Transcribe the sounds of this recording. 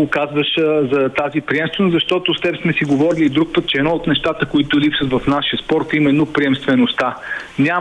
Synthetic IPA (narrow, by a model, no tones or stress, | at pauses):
okazvəʃzɐt̪azipɾiɛmst̪vɛnosɐʃt̪ɔt̪ost̪ɛbsmɛsiɡovɔɾilid̪ɾuk̚pət̪̚t͡ʃɛːd̪nɔot̪nɛʃt̪at̪əkoit̪ʊlipsət̪vɐfnaʃiəspɔɾt̪imɛnːopɾiɛmst̪vɛnost̪anʲa